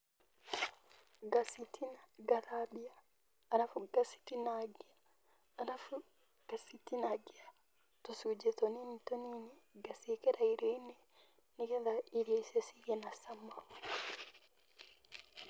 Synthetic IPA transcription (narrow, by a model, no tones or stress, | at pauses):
ɡasitʰinaɡaðabiaː | ɾafuɡasi̥tinaɡiaː | ɾafu | ɡ̥asitinaɡia | tosud͡ʒɛtɔninitɔniniɡasikɛɾaiɾɔinɛ | nikenðaiɾjaisesiɣenasamau